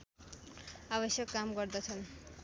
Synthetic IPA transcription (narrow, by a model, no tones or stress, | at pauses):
abʌsjʌkːamɡʌɾd̪ʌt͡sʰʌn